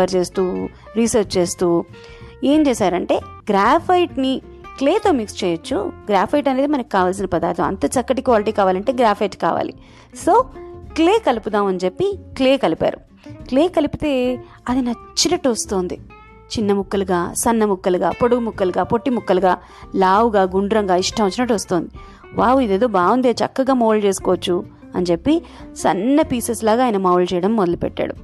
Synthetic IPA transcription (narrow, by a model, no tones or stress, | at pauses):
ɐɾt͡ʃe̞ːst̪uː | ɾiːsɐɾt͡ʃt͡ʃeːst̪uː | e̞ːmt͡ʃeːsaːɾɐɳʈe̞ːɡɾaːpʰɐjʈni | kleːt̪o̞ːmikst͡ʃɛːjɐt͡ʃːṵɡɾaːpʰɐjʈɐne̞ːd̪imɐnɐkʲːi̥kːaːʋaːls̬inɐpɐd̪a̰ːɾt̪ɐɐ̰nt̪ɐt͡ʃɐkːɐʈikʋaːliʈiːkaːʋaːlɐɳʈe̞ːɡɾaːpʰɐjʈka̰ːʋa̰ːlḭ | soːkleːkɐlipud̪aːmɐnt͡ʃe̞pːikleːkɐlipa̰ːɾu | kleːkɐlipit̪e̞ː | ɐd̪inɐt͡ʃːinɐʈːuʋɐst̪oːnd̪i | t͡ʃinːɐmukːɐluɡaːsɐnːɐmukːɐluɡa̰ːpo̞ɽuɡɐmukːɐluɡaːpo̞ʈːimukːɐluɡaː | laːwuɡaːɡuɳɖuɾɐŋɡaːiʂʈɐɐt͡ʃːinɐʈ̬ːʋɐst̪oːnd̪i | baːwuid̪eːd̪oːbaːwund̪eːt͡ʃɐ̰kːɐɡaːmoːlt͡ʃe̞ːsu̥koːɐt͡ʃːu | ɐnit͡ʃe̞pːi | sɐ̰nːɐpiːseslaːɡaːjnɐmɐwlt͡ʃɛjɐɽɐmːɔd̪ɐlupɛ̰ʈːa̰ːɽṵ